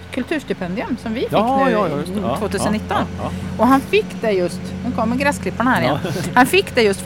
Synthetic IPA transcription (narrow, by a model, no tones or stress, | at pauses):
kʰɵlt̪ʰʉːʂt̪ɪpʰɛnd̪ɪɵmsɔmvɪfɪ | voːt̪ʰʉːsənɪt̪ːɔnɔɦanfɪkːd̪ɛjɵst̪nɛkʰɔmːəɡɾɛskʰlɪpːaɳəhæːɾɪjɛ̰hanfɪkːd̪ɛjɵst̪